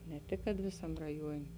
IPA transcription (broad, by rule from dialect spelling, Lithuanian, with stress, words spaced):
nʲɛ ˈtʲɪk kɐt ˈʋʲeːsɐm rɐˈjuɔnʲeː